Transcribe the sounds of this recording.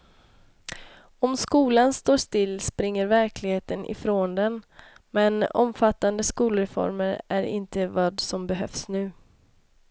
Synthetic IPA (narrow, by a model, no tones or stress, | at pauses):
ɔmskuːlanst̪oːʂt̪ɪlːspɾɪŋːəɾvæɾklɪɡheːt̪ənʔɪ̰fɾoːnd̪ɛn | mɛnɔ̰mfat̪ːand̪əskuːlɾɛfɔ̰ɾməɾʔæɾɪ̰nt̪əvɑːd̪sɔmbɛɦœfsnʉ̟ː